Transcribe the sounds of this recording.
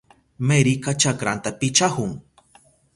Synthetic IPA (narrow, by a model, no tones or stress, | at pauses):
meɾikat͡ʃakɾant̪apɪt͡ʃahʊŋ